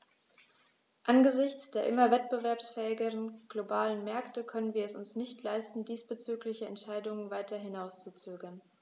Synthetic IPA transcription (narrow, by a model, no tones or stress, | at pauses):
ʔanɡəzɪçt͡sd̥eːɐʔɪmɐvɛt̚b̥əvɛɐpsfɛːɪɡəʁənɡ̥lobaːlənmɛɐktəkʰœnənviːɐɛsʊnsnɪçtʰlaɪstn̩diːsb̥ət͡syːklɪçəɛ̰ntʃaɪdʊŋənvaɪtɐɦɪnaʊst͡sut͡søːɡɐn